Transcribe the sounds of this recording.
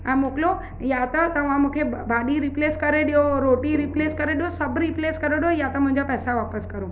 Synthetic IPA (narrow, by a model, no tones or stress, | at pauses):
ɛ̃ːmoːklo | jat̪ɐt̪ɐʋ̤ãmũːkʰebʱaːɗiɾipleːskɐɾeɗijoɾoːʈiɾipleːskɐɾeɗijosɐbʱɾipleːskɐɾeɗijojat̪ɐmʊ̃ɦɪ̃ɲd͡ʑapɛːsaʋaːpəskɐɾuː